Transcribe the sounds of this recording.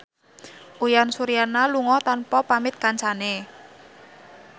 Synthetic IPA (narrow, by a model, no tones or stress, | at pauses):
ʔujansuɾijanaluŋɔt̪anpɔpamɪt̪̚kaɲt͡ʃane